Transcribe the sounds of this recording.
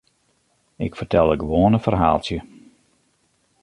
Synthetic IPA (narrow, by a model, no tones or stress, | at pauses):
ɪkfərtʰɛlˠəɡəʋoːənəfərɦa̰ːlˠtjə